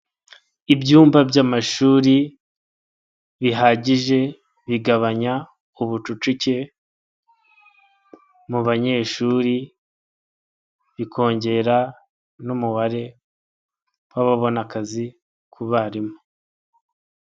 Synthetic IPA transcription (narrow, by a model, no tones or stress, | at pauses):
ibɟuːmbabjamaʃuːɾi | βiɦaːɟiʒe̞ | βiɡaβaɲa | uβut͡ʃut͡ʃuce̞ | muβaɲe̞ːʃuːɾi | βikʰo̞ːɲɟe̞ɾa | numuβaɾe̞ | waβaβo̞nakazi | kʰuβaɾimo